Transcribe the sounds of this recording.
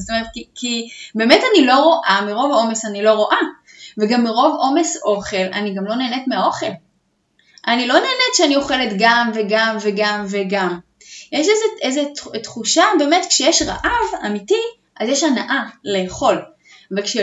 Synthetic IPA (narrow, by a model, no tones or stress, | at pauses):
otomeʁet̪̚kikʰibe̞ːmetanilo̞ʁo̞ʔamiʁo̞vo̞me̞sanilo̞ʁo̞ʔa | veɡamːiʁo̞vo̞me̞sʔo̞χe̞la̰niɡamlo̞ne̞ːnetmeao̞χe̞l | ʔanilo̞ne̞ːnetʃeanioχe̞letɡamveɡamveɡamveɡam | jeʃezeʔezettχuʃabe̞ːme̞tkʃejeʃʁa̰ʔavamiti | ʔazjeʃanaʔale̞ːχo̞l | vekʃe